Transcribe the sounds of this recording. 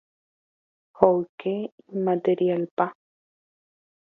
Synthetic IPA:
howkeimat̪eɾjalpa

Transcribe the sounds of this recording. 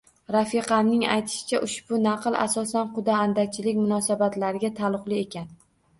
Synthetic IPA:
ɾafɪqʰɑnːɪŋa̰jt̪ʰɪ̥ʃɪ̥t͡ʃʰaʔʊʃbʊnɑqɨlˠʔa̰sɒsanqʊd̪aːnd̪at͡ʃʰɪlɪkʲmʊnɒsabat̪laɾɪɡʲat̪ʰalˠʊqlˠɪe̞kʲan

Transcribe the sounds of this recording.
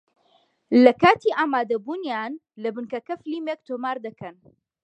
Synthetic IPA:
lɐkaːt̪ʰiːʔaːmaːd̪ɐbuːnjaːn | lɐbɨnkɐkɐfɨliːmek̚t̪ʰomaːɾd̪ɐkʰɐn

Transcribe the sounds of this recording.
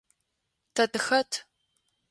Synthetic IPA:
tʰɐtɨxɐtʰ

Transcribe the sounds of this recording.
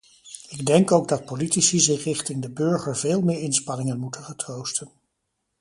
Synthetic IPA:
ɪɡdɛŋkowɡ̚dɑt̚politisizɪχrɪχtɪŋdəbøɹχəɹveːlˠmɪːɹɪnspɑnɪŋənmutəχətrowstən

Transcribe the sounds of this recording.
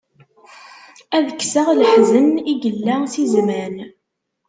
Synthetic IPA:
æðəkːsəʁləħzəniɡəlːæsizmæn

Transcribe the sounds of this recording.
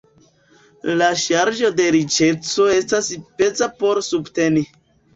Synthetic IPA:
laʃaɾd͡ʒo̞de̞ɾit͡ʃe̞t͡so̞e̞stasipe̞t͡sapo̞ɾsubte̞ni

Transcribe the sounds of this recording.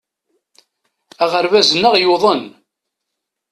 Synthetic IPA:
æʁəɾvæzənːəʁjoðˤən

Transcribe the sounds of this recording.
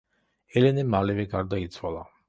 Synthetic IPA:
ɛlɛnɛmalɛvɛɡaɾd̪ait̪sʰwalˠa

